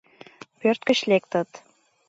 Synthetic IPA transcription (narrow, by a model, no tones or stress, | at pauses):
pørt̪̚kə̆ɕlek̚t̪ə̆t̪